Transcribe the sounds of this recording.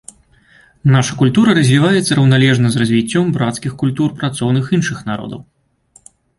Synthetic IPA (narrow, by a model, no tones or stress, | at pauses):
naʂɐkulʲt̪uɾɐɾɐzʲvʲivajɛt̪sɐɾɐwnalʲɛʐnɐzrɐzʲvʲit͡sʲːɔmbɾat̪skʲixkulʲt̪urpɾat̪sɔwnɨxinʂɨxnaɾɔ̰d̪ɐ̰w